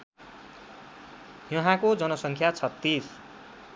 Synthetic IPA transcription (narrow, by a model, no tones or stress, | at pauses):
jʌɦãkod͡zʌnʌsʌŋkʰjat͡sʰʌt̪ːis